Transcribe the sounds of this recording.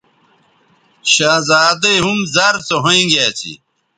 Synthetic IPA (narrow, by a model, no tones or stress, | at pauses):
ɕaːzaːd̪eɦumzaɾt͡soɦoĩɡaːt͡ɕʰḭ